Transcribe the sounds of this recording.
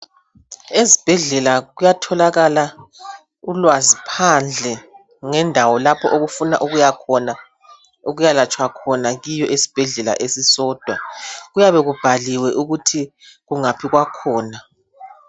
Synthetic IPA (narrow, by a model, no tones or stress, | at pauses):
ezib̥ʱɛɮɛlaɣujatʰɔlaɣala | ulwazipʰand͡ɮʱɛ | ŋɛndʱawɔlapʰɔʔoɣufuna̰ʔuɣujakʰɔna | oɣujalat͡ʃʼwakʰɔnaɣijɔʔesi̥b̥ʱɛɮɛla̰ʔesisɔːd̥ʱwaɣujaβɛɣub̥ʱaliwɛʔuɣutʰi | ɣuŋapʰiɣwakʰɔːna